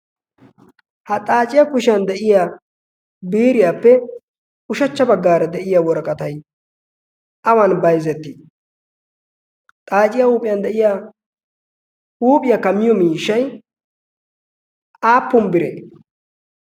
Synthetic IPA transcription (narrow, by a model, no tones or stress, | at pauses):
hɐt̪ʼaːt͡ʃʼɪjakʊʃɪjɐnd̪ɛʔɪja | biːɾɪjaːpːɛ | ʊʃɐt͡ʃːɐbɐɡːaːɾɐd̪ɛʔɪjawɔɾɐkʼɐt̪ɐj | ʔɐwɐnbɐjzɛt̪ːɪ | t̪ʼaːt͡ʃʼɪjauːpʼɪjɐnd̪ɛʔɪja | uːpʼɪjakɐmːɪjɔmiːʃːɐj | ʔaːpːʊmbɪɾe